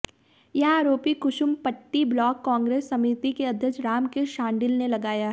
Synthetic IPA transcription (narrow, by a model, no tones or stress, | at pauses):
jɐɦaːɾoːpikʊʃʊmpɐʈːiblɔːkːɔ̃ːŋɡɾeːsːɐmit̪ikeɐd̪ʱjəkt͡ʃɾaːmkeʃãːɳɖɪlnelɐɡaːjaɦ